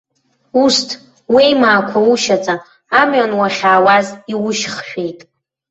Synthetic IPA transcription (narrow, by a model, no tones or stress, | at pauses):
ustʰ | wejmaːkʷʰauʃat͡sʼaː | mɥanwaχʲaːwaziwʊʃχʃᶣejtʼ